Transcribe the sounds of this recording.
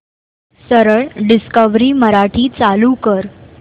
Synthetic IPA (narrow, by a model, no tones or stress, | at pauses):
səɾəɭɖiskəʋɾiːməɾaʈʰiːt͡salukəɾ